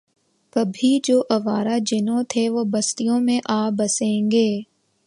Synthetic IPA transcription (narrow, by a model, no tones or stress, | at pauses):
kɐbʱid͡ʒoːʔɐʋaːɾad͡ʒɪnõt̪ʰeʋobɐst̪ijõmẽʔaːbɐsẽːŋɡeː